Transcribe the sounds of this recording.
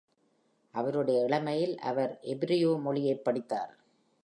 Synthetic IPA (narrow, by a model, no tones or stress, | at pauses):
ʔɐʋɐɾɯɽɐjɐɪɭɐmɐjɪlɐ̰ʋɐɾʔɛbɪɾɪjoːmɔɭɪjeːpːɐɽɪt̪ːa̰ːɾ